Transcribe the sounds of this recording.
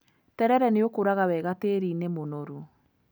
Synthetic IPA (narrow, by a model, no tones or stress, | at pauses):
tɛɾɛɾɛneokoɾaɣawɛɣateɾiːnemonoɾu